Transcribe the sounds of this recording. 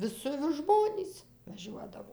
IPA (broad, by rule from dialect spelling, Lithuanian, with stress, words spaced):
ˈʋʲɪsʲɪ ʋʲɪs ˈʒmoːnʲiːs ʋɐˈʒʲuɔdɐʋoː